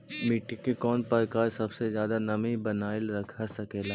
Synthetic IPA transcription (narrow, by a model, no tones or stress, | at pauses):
miʈikːekɔːnpəɾkaːɾsɐbsezjaːd̪anɐmibɐnaːɪlɾɐkʰasɐkeːlaː